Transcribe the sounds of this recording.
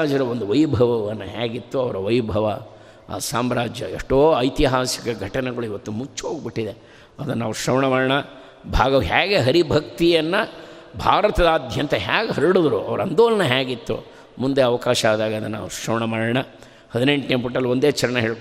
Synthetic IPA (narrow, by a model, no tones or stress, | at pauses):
aːd͡ʒɐɾɐond̪uʋɐjbʱɐʋɐʋɐnːɐɦaːɡit̪ːuɐʋɐɾɐʋɐjbʱɐʋɐ | a̰ːsaːmɾaːd͡ʒjɐ̰ḛʂʈoːɐjt̪iɦaːsikɐɡʱɐʈɐnɛɡɐɭuiʋɐt̪ːumut͡ʃːɦoːɡ̚biʈːid̪e̞ | ɐd̪ɐnːaːʋuʃɾɐʋɳɐmaːɾɐɳɐ | bʱaːɡɐʋɦaːɡe̞ɦɐɾibʱɐk̚t̪ijɐnːɐbʱaːɾɐt̪ɐd̪aːd̪ʱjɐnt̪ɐɦaːɡeɦɐɾiɽod̪ɾuʔɐ̰ʋɐɾɐnd̪oːlɐnɐɦaːɡit̪ːṵ | mund̪eɐʋɐkaːʃɐaːd̪aːɡɐɐd̪ɐnːna̰ːʋuʃɾɐʋɳɐmaːɾɐɳɐ | hɐd̪ine̞ɳʈneːpuʈːɐlːiond̪eːt͡ʃɐɾɐɳɐɦeːɭ